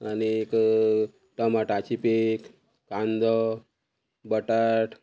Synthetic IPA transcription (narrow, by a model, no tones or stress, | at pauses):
aniek | ʈəmaʈat͡ɕipek | kãnd̪ɔ | bəʈaʈ